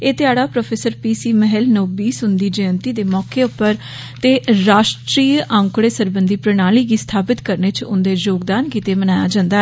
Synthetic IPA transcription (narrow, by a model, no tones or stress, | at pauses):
eːt̪ɪaːɽaːpɾoːpʰeːsəɾpiːsiːməɦɛlnoːbiːsʊnd̪iːd͡ʒəːənt̪iːd̪eːmɔːkeːʊpːəɾ | t̪eːɾaːʃʈɾiːãːŋkɽeːsəɾbənd̪iːpɾənaːliːɡiːst̪ʰaːpɪt̪kəɾneːt͡ʃʊnd̪eːd͡ʒoːɡd̪aːnkiːt̪eːmənaːja̰ːd͡ʒãːnd̪aː